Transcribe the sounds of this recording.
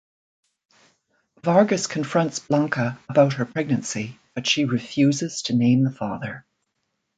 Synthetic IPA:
vɑɹɡɨskʰɨ̃ɱfɹʌ̃ntsb̥lɑ̃ŋkəəbaʊt̚hə˞pʰɹ̥ɛɡ̚nɨ̃nsib̥ʌtʃiɹɨfjʉzɨz̥tʰɨnẽɪ̃mðəfɑ̰ðə˞

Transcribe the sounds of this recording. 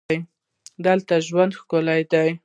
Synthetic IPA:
j | d̪əlt̪aʒwand̪xkolajd̪aj

